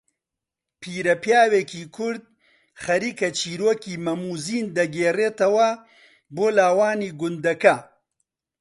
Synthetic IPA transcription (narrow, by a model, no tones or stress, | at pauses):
pʰiːɾɐpjaːweːkiːkʰʊɾd̪̚ | χɐɾiːkɐt͡ʃʰiːɾoːkiːmɐmuːziːnd̪ɐɡeːreːt̪ɐwɐ | boːlaːwaːniːɡʊnd̪ɐkɐ